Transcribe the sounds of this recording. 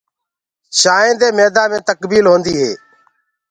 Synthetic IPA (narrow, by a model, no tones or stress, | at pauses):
ʃaːẽːd̪eːmeːd̪aːmẽːt̪əkbiːlɦõːnd̪iːɦḛː